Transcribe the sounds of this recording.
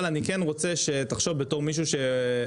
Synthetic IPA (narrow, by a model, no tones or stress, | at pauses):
lanikenʁot͡seʃet̪aχʃo̞vbeto̞ʁmiʃ̬uʃe̞